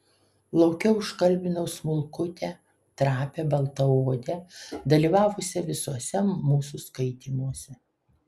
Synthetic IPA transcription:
lˠɒʊkʲɛʊʊʃkɐlʲbʲɪnɐʊsmʊlˠkʊt̪ʲɛ | t̪ɾɑːpʲɛbɐlˠt̪ɐoːd̪ʲɛd̪ɐlʲiːʋɑːʋʊsʲɛʋʲɪsuɔsʲɛmːuːsuskɐɪt̪ʲiːmuɔsʲɛ

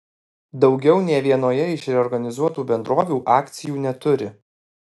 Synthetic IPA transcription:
d̪ɒʊɡʲɛʊnʲɛːʋʲiɛnoːjɛɪʃɾʲɛɔɾɡɐnʲɪzuɔt̪uːbʲɛnd̪ɾoːʋʲuːʔɑːkt̪sʲɪjuːnʲɛt̪ʊɾʲɪ

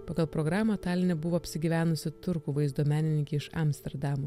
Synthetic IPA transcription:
pɑːɡɐlˠpɾɔɡɾɑːmɐt̪ɑːlʲɪnʲɛbʊʋoːɐpʲsʲɪɡʲiːʋʲæːnʊsʲɪt̪ʊɾkuːʋɐɪzd̪oːmʲæːnʲɪnʲɪŋʲkʲɛːɪʃɐ̰mʲsʲt̪ʲɛɾd̪ɑːmuː

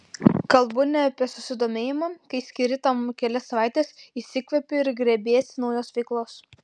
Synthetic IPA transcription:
kɐlˠbʊnʲɛɐpʲiɛsʊsʲɪd̪oːmʲeːjɪmɑːkɐɪsʲkʲɪɾʲɪt̪ɐmkʲɛlʲɛsɐʋɑˑɪt̪ʲeːsisʲɪkʋʲɛpʲʊɪɾɡɾʲɛbʲeːsʲnɒʊjoːsʋʲɛɪklˠoːs

